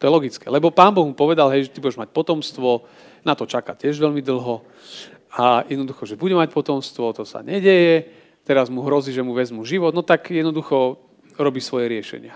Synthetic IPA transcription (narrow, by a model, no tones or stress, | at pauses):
t̪ɔjɛlɔɡit͡skɛ̰lɛbɔpaːnbɔɣmupɔʋɛd̪alɦɛjʒɛt̪ibuɟɛʒmac̚pɔt̪ɔmst̪ʋɔ | nat̪ɔt͡ʃakacɪɛʒʋɛʎmid̪l̩ˠɦɔ | ajɛd̪nɔd̪uxɔʒɛbuɟɛmac̚pɔt̪ɔmst̪ʋɔt̪ɔsa̰ɲɛɟɛjɛ | t̪ɛɾazmuɦɾɔziːʒɛmuʋɛzmuʒiʋɔd̪nɔt̪akjɛd̪nɔd̪uxɔ | ɾɔbiːsʋɔjɛɾɪɛʃɛ̰ɲɪa